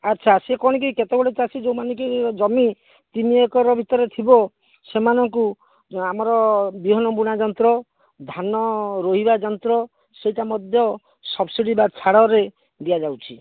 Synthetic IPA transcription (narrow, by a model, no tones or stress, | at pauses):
atːt͡ʃʰasekɔɽ̃ɔk̬iket̪ebɔɽet͡ʃasʰid͡ʒewmanɔŋkid͡ʒɔmi | t̪imiekɔɾɔbʱit̪ɔɾet̪ʰibɔ | semanɔŋku | amɔɾɔbiɦɔnɔbuɽ̃ad͡ʒɔnt̪ɾɔ | d̪ʱanɔɾoɦibad͡ʒɔnt̪ɾɔ | sejʈamɔd̪ʱjɔ | sɔbsiɽibat͡ʃʰaɽɔɾe | d̪ijad͡ʒawt͡ʃʰi